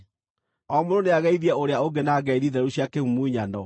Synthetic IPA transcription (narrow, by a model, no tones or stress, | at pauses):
ɔmoɾoneaɣɛiðiɛoɾeaoɡenaɡɛiðiðɛɛuɕjakeumuiɲanɔ